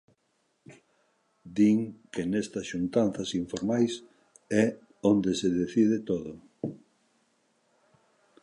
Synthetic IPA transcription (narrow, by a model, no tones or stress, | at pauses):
d̪iŋkenɛst̪ɐsʃunt̪anθɐsiɱfoɾmajs | ɛ | ond̪eseðeθiðet̪oðʊ